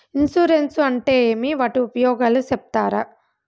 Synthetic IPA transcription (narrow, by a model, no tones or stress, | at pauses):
insuɾensuɐɳʈe̞ːeːmiʋaːʈiupɐjɔːɡaːlusep̚t̪aːɾɐ̰